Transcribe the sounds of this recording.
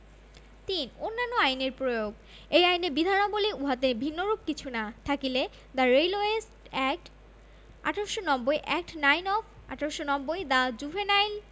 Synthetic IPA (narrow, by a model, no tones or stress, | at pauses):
t̪inonːanːoajneɾpɾojoɡ | ejajneɾbid̪ʱanoboliuɦat̪ebʱinːoɾub̚kit͡ɕʰunat̪ʰakile | d̪aɾejloesʈɛk̚ʈ | a̰ʈʰaɾoʃonɔbːojʔɛk̚ʈnajnɔf | a̰ʈʰaɾoʃonɔbːojd̪ad͡ʑubʱenajl